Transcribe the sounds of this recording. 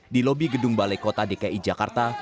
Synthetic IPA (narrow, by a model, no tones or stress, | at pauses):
dilobiɡədʊŋbalajkot̪adekaʔid͡ʒaka̰rt̪a